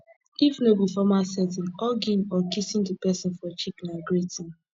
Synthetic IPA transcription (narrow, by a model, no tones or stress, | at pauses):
ifnobifɔmasɛtĩnɔɡĩnɔkisĩntupɛsĩnfɔt͡ʃiknaɡɹetĩn